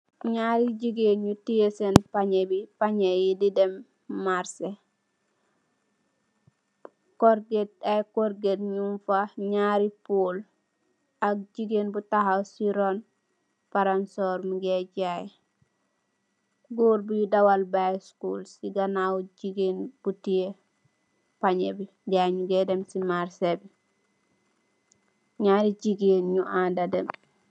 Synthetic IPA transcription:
ɲaɾiɟiɡenɲutiesenpaɲebipaɲejididɛmː | aɾse | koɾɡet̚ajkoɾɡetɲuɱfaɲaːɾipol | ak̚d͡ʒiɡenbutahawsiɾon | paɾansɔɾmiɡeɟaj | ɡuːɾbujudawalbajskulsiɡanawɟiɡenb̥utie | paɲebi | ɟajɲuɡedemsimaɾsebi | ɲaːɾid͡ʒiɡenɲuʔadadem

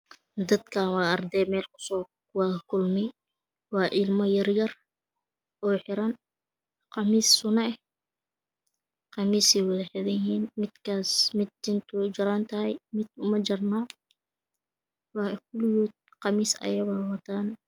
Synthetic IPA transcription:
d̪ɐd̪kʰaːnwɑːɑrd̪ɛjmɛːlkʰʊ̥sɔː | wɑːkʰʊlmɛj | wɑːʔɪlmɔjɐrjɐr | ʔɔːħɪɾɐn | qɑmiːsːʊnɛɛ | qɑmiːsɛwɑðɛħɪðɐjɪɦiːnmɪd̪kʰaːsmɪd̪̚d͡ʒɪnt̪ʰʊd͡ʒɐɾaːnt̪ʰɐɦɛjmɪd̪ʊmɐd͡ʒɐrnaː | wɑːɪkʊljud̪̚qɑmiːsɐ̰jɐɣɑwɐt̪ʰaːn

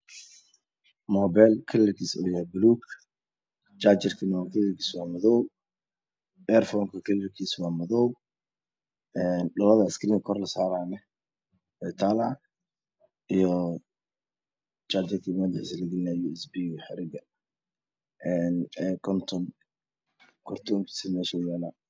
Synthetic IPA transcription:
mɔːbɛlkʰɐlɛkʰiːsɔːjabʊluːk | t͡ʃaːt͡ʃɪrkʰiːnwakʰɐlɛkʰiːswaːmɐðɔw | ɛrfɔːŋkʰɐkʰɐlɛlkʰiːswaːmɐðɔw | ɛːnɖɔlɐðɐɪskʰɐɾiːŋkkʰːrlɐsaːɾaːnɛ | wɛjt̪ʰaːlaː | ijɔ | t͡ʃaːd͡ʒɪrkʰiːmɐd̪ɪħislɐɡɪlɪnaːjɔɪsbiħɪɾɪɡɐ | ʔɛnɛkʰɔnt̪ʰɔn | kʰɔrt̪ʰɔːŋkʰi̥ːsɪmɛːʃɛjaːlaː

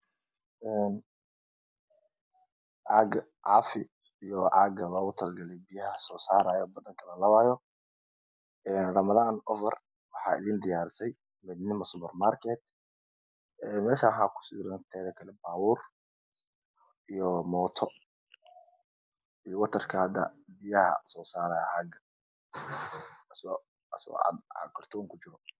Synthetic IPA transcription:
ɛːn | ʕɑɡɐ | ʕɑ̰ːfɪ | ijɔʕɑ̰ɡɐlɔːɣʊt̪ʰɐlɡɐlɛjbɪjɐɦɐsɔːsaːɾaːjɔːbɐðɐŋkʰɐlɐlɐβaːjɔ | ɛːnrɐmɐðaːnɔfɛr | wɑħɑ̰ːɪ̰ðiːnd̪ɪjaːɾɪsɛj | mɛd̪nɪmɐsʊpɛrmaːrkʰɛd̪ | ɛːmɛːʃaːɦaːkʰʊ̥sɪɾɐnt̪ʰɛːðɐkʰɐlɛbaːwuːr | ijɔmɔːt̪ʰɔ | ijɔwɐt̪ʰɐrkʰɐhɐd̪ɐ̰bijɐhɐ̰sɔːsaːɾaːjɐ̰aɡɐ | s | ɐsa̰ɡɐrt̪ʰɔːŋkʰʊt͡ʃɪɾɔ

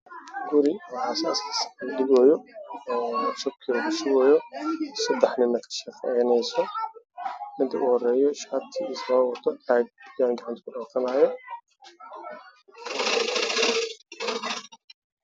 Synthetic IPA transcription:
ɡʊɾɪɔʕɑsaːssɖɪɡɔːjɔː | ʊsʊb̚kʰiːlʊɡʊʃɪwɔːjɔsɐd̪ɛħnɪnːɐkʰɐ̥ʃɐfɛjnɛjsɔ | mɪd̪ʰɐ̰ʔʊhɔrɛːjɔʃɐt̪ʰiiswɐt̪ʰːɔaːɡ̪jaːŋɡɑʕɑnt̪ʰkʰʊɖɔːfɐnaːjɔ

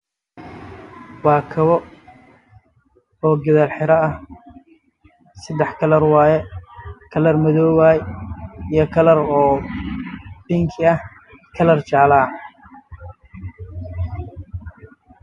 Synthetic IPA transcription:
wɑːkʰɐβɔ | ɔːɡɐðalħɪɾɐɐh | sɐd̪ɛħkʰɐlɐrwaːjɛkʰɐlɐrmɐðɔːwaːjijɞkʰɐlɐɾɔː | b̥iŋkʰɪɐh | kʰɐlɐrt͡ʃaːlaː

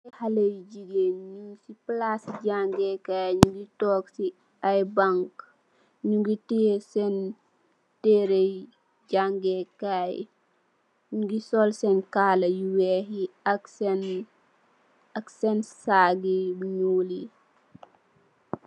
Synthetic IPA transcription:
ihalejɟiɡenɲusiplasɟaŋɡɛkajɲuɡitɔːksi | ajbaŋk | ɲuɡitisɛn | teɾej | ɟaŋɡɛkaj | ɲuɡisɔlsɛnkalɐjuwɛɦiaksɛn | aksɛnsaːɡiɲuːli

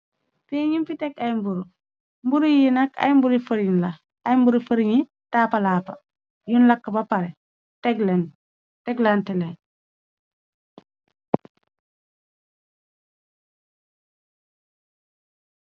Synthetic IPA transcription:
peːɲimfitɛkajmbuɾu | mbuɾijinɐkɐ̰jmbuɾifəɾinlɐ | ajmbuɾifəɾiɲi | taːpɐlaːpɐ̰ | junlɐkːɐbɐpɐɾɛ | tɛɡlɛn | tɛɡlantɛlɛn

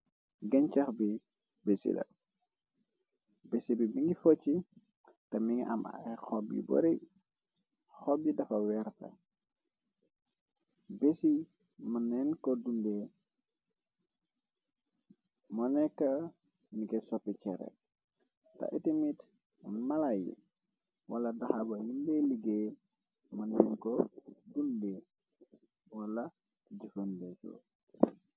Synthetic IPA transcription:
ɡɐɲcɐxbi | besḭdɐ̰ | besibibiŋɡifɔt͡ʃːi | tɐmiŋiʔɐ̰ma̰xɔbjḭbɔ̰ɾi | xɔb̚idɐfɐwɛɾtɐ̰ | besi | mɐnɛnkɔdundɛ | mɔnɛkːa | nikesopːikɛɾḛ | ta̰ʔitimit | unmalajḭ | waladahabajunbeliɡe | manɛnkɔdunde | wala | tiɟifənbɛso̰

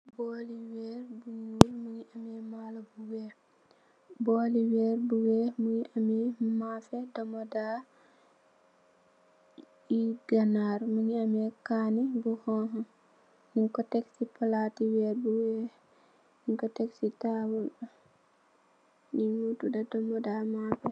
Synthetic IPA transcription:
bɔliwɛɾbuɲuɾməŋiʔamɛmalɐbuwɛː | bɔːliwɛːɾbuwɛmuŋiʔamɛmafɛdɔmɔdaː | iɡanaɾmuŋiamɛkanibuhɔɦɔn | niŋkɔtɛksipalatiwɛːɾbuwɛ | niŋkɔtɛksitawuɗ | niŋutudadɔmɔdamafɛ

